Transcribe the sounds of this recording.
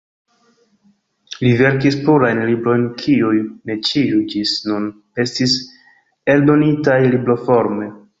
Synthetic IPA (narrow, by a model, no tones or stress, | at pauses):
live̞ɾk̬ispuɾajnlibɾo̞jnkʰiujne̞t͡ʃijud͡ʒisnun | e̞stis | e̞ldo̞nitajliblo̞fo̞ɾme̞